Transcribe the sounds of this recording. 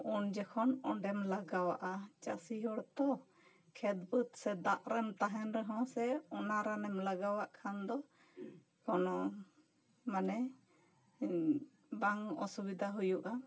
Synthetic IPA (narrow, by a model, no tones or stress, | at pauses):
und͡ʒɛkʰɔnɔɳɖɛmlaɡawaʔat͡ʃasiɦɔɽt̪ɔ | kʰɛd̪bət̪sɛd̪aʔɾɛmt̪aɦɛnɾɛɦɔ̃sɛɔnaɾanɛmlaɡawaʔkʰand̪ɔ | kɔnɔ | manɛ | baŋɔsubid̪ʱaɦujuʔa